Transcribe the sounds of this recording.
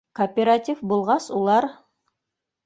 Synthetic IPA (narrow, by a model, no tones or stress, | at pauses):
kopʲeɾatʲifbulˠʁɑsulˠɑɾ